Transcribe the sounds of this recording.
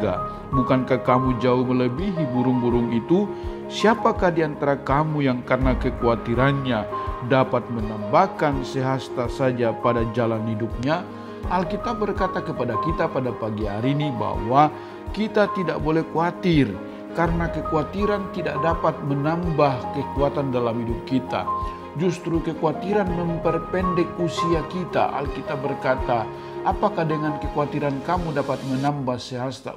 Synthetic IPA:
ɡa̰ | bukankahkamud͡ʒaʊhmələbiɦibuɾʊŋbuɾʊŋit̪u | siapakahdiant̪aɾakamujaŋkarənakəkuat̪iɾanɲadapat̪̚mənambahkansəɦast̪asad͡ʒapadad͡ʒalanhidup̚ɲa | halkit̪ap̚bərkat̪akəpadakit̪apadapaɡiɦaɾiniba̰wa | kit̪at̪idaʔbolɛhkuat̪ir | karənakəkuat̪iɾant̪ida̰ʔ̚dapat̪̚mənambahkəkuat̪andalamhidʊp̚kit̪a̰ | d͡ʒust̪ɾukəkuat̪iɾanməmpərpɛndɛkusiakit̪a̰ʔa̰lkit̪abərkat̪a | ʔːpakahdəŋankəkuat̪iɾankamudapat̪̚mənambahsəɦast̪a̰

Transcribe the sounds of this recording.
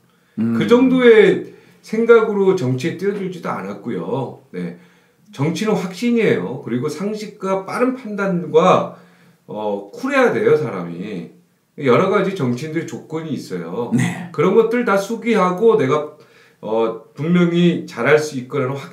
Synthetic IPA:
kɯd͡ʑʌŋdoe̞ | sʰe̞ŋɡaɡɯɾot͡ɕʌŋt͡ɕʰiet͈ijʌd͡ʑuɭd͡ʑidoa̰nat̚k͈ujo̰ne̞̰ | t͡ɕʌŋt͡ɕʰinonɸwak̚ɕ͈iɲiɦe̞jokɯɾiɡosʰaŋɕʰik̚k͈ap͈aɾɯnpʰandanɡwa | ʌkʰuɾe̞jade̞josʰaɾa̰mḭ | jʌɾʌɡad͡ʑit͡ɕʌŋt͡ɕʰindɯɾt͡ɕok̚k͈ɯɲiːs͈ʌ̰jo̰nekɯɾʌnɡʌt̚t͈ɯɭtasʰuɡiɦaɡone̞ɡa | ʌpuŋmjʌŋit͡ɕaɾɦaɭs͈uit̚k͈ɯɾanoɸwak

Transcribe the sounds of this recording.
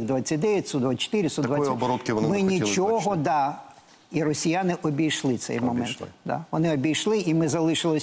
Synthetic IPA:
d̪ʋat͡sʲːɐt̪̚ʲd̪ɛʋʲɛtʲsud̪ʋat͡ʃt̪ɪɾʲɪsud̪d̪ʋajʲsʲːɔbɔɾɔt̪kɪʋ̪mɪnʲit͡ʃɔɦɦɔd̪ɑ | iɾɔsʲijanɪʔɔbʲijʃlˠɪt̪sɛ̰jmɔmɛ̰nt̪d̪ɑ̰ʋɔnɪɔbʲijʃlˠɪimɪzɐlˠɪʃɪlˠɔ

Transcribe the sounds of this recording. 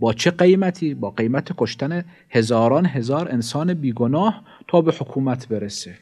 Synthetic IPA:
bɒːt͡ʃʰeɢejmæt̪ʰiːbɒːɢe̞jmæt̪ʰekʰo̞ʃt̪æne | hezɒːɾɒːnɦe̞zɒːɾensɒːnebiːɡonɒːh | t̪ʰɒːbehokʰuːmæt̪ʰbe̞ɾese

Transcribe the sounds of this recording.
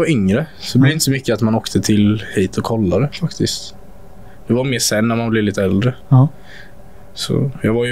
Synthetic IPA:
vaɾʏŋɾəsɔd̪ɛlɛɾɪnt̪əs̬ɔmʏkːəat̪manoːkt̪ʰət̪ʰɪlhiːt̪ʰɔkʰːɔlːad̪ɛfakt̪ɪst̪ | j̪ɑɡvaɾmeːʂɛnːæɾmanblɪvliːt̪əɛld̪ɾə | sɔ̰jɑːɡvaɾj

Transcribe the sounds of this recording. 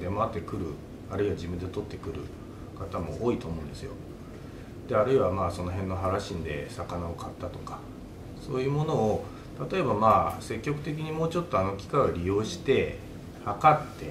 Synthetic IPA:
d̪e̞maat̪ːe̞kɯ̟ɾɯ̟̰ | aɾɯ̟iβad͡ʑibɯ̟nd̪e̞t̪o̞t̪ːe̞̥kɯ̟ɾɯ̟̰ | kat̪amo̞ʔoːit̪oːmo̞ɯ̃nd̪e̞sɨjo̞̰ | d̪̥e̞aɾɯ̟iβamaːso̞no̞ɦẽ̞nːo̞ɦaɾaɕĩnd̪e̞̰sakanaokat̪ːat̪o̞̥kḁ | so̞ːjɯ̟ːmo̞no̞ː | t̪at̪o̞e̞bamaːse̞kʲːo̞kɯ̟t̪e̞k̬ʲiɲ̟imo̞ːt͡ɕo̞t̪ːo̞ano̞kʲi̥kaoɾʲijo̞ːɕi̥t̪e̞ | hakat̪ːe̞

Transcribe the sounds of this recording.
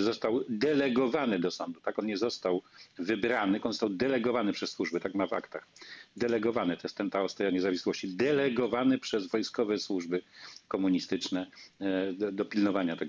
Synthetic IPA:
zɔst̪awd̪ɛlɛɡɔvanɘd̪ɔsɔnd̪ut̪akɔnɲɛzɔst̪awvɘbɾanɘɔnzɔst̪awd̪ɛlɛɡɔvanɘpʂɛsːwuʐbɘt̪akmava̰kt̪axd̪ɛlɛɡɔvanɛt̪ɔjɛst̪ːɛnt̪aɔst̪ajaɲɛzavʲiswɔɕt͡ɕid̪ɛlɛɡɔvanɘpʂɛzvɔjskɔvɛswuʐbɘkɔmuɲist̪ɘt͡ʂnɛ | d̪ɔpʲilnɔvaɲat̪ɛɡ

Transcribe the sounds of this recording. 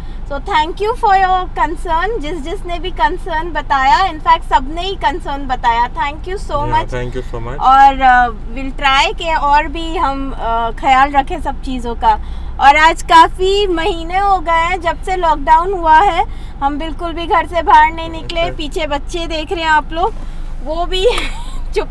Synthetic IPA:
soːt̪ʰɛ̃ːŋkjufɔɾjoːɾkɐ̃nsəːɾnd͡ʒɪsd͡ʒɪsnebʱikɐnsəːɾnbɐt̪aːjaɪ̃nfɛːk̚ʈsɐbneikɐ̃nsəːɾnbɐt̪aːjat̪ʰɛ̃ːŋkjusoːmɐt͡ʃː | ɔːɾ | ʋɪlʈɾaːɪkeɔːɾbʱiɦɐmxɐjaːlɾɐkʰẽsɐb̚t͡ʃiːzõka | ɔːɾaːd͡ʒkaːfimɐɦiːneɦoɡɐeɦɛ̃d͡ʒɐbselɔːk̚ɖaːʊnɦuaɦɛ | ɦɐmbɪlkʊlbʱiɡʱɐɾsebʱaːɾnɐɦĩnɪklepiːt͡ʃʰebɐtːʃʰed̪eːkʰɾɐɦɛ̃aːploːɡ̚ʋoːbʱit͡ʃʊ

